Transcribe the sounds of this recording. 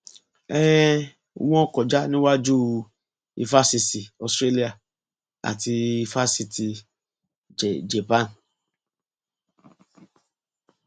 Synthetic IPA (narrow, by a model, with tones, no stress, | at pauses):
ɛ˦ɛ˦˨ | wɔ̃˦˨kɔ˨d͡ʒa˦nĩ˦wa˦d͡ʒu˦ | ḭ˧fa˦si˧si˨ɔ˨stɾe˦li˦a˨ | a̰˨ti˧i˧fa˦si˧ti˨ | d͡ʒɛ˨d͡ʒɛ˨pã˦˨n